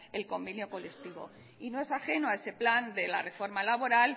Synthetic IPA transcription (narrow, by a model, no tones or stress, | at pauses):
elko̞mbenjo̞ko̞le̞kt̪iβo̞̰ | inoe̞saxe̞noae̞se̞pland̪e̞la̰re̞fo̞ɾmalaβ̞o̞ɾal